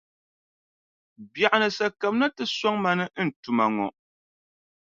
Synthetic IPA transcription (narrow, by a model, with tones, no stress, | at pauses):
bja˨ʔa˨nɨ˨sa˨ka˨mna˦tɨ˨sɔ˦ŋma˨nɨ˦n̩˨tu˨ma˨ŋɔ̰˨ʔ